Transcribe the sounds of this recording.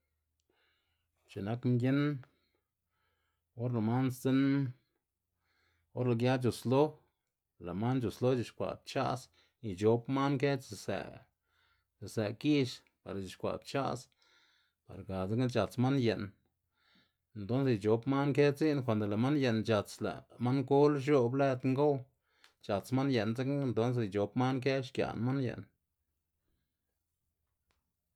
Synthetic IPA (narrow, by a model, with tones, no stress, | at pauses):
t͡ʃe˨na˦kmɡʲje˦n | o˦ɾla˨ma˦nst͡se˦n | o˦ɾla˨ɡja˦t͡ʃo˨slo˦ | la˨ma˦nt͡ʃu˨slo˦d͡ʒi˧˨ʃkʷa̰˨t̪̚t͡ʃa̰˦s | i˨t͡ʃo˨pma˦nke˦t͡ʃze˧˨sḛ˧˨ | ze˨se˨ki˦ʃ | pa̰˨ɾt͡ʃi˨ʃkʷa̰˨b̚t͡ʃa̰˦s | pa̰˨ɾɡa˨d͡za˦ka˦t͡ʃa˨t͡sma˦nje˨n | e˨nt̪o˦nse˨˧t͡ʃo˨pma˦nke˦t͡si˦nkʷa˨nd̪o˨la˨ma˦nje˨nt͡ʃa˨t͡sla̰˨ma˦ŋɡo˦lʃ̬o˦ble˦t̪ŋɡo˦w | t͡ʃa˨t͡sma˦nje˨nza˦kːnt̪o˦ns̬e˨i˧t͡ʃo˨pma˦nke˦ʃkja̰˨nma˦njḛ˨n